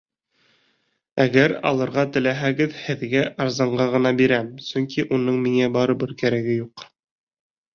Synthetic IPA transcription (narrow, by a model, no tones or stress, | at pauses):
æɡæɾɑ̰lˠɤ̆ɾʁɑt̪ɘ̆læɦæɡɘðhɘ̆ðɡæʔɑɾzɑɴɢɑʁɤ̆nɑbiɾæmsɵŋkiʔunɤɴmiŋæbɑɾɤbɤɾkæɾæɡɘjuq